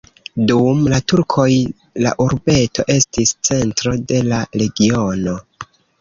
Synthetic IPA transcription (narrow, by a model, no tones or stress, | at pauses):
dumlatuɾkʰo̞j | la̰ʔuɾbe̞to̞̰ʔe̞stist͡se̞ntɾo̞de̞laɾe̞ɡio̞no̞